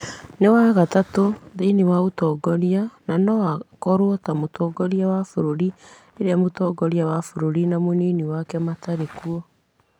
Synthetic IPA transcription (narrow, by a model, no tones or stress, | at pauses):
newaɣatatoðenewaotɔɡɔɾiananɔakɔɾwɔtamotɔɡɔɾiawafoɾoɾi | eɾeamotɔːɡɔɾiawafoɾoɾinamoniːniwakɛmataɾekuɔ